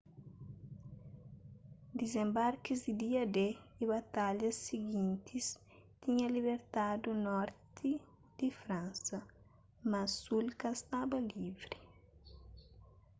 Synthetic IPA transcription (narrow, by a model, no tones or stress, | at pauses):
d̪izẽmbaɾkizd̪id̪iɐd̪eiβɐt̪aʎɐsːiɡĩnt̪ʰis | t̪iɲɐliβeɾt̪ad̪unɔɾt̪ʰi | d̪̥ifɾãnsɐ | mɐsːulkɐst̪abɐlivɾi